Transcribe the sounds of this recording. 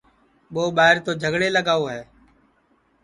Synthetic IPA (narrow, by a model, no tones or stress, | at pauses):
ɓoːɓaːɦɪɾt̪oːd͡ʒʱəɡɽeːləɡaːoːɦɛː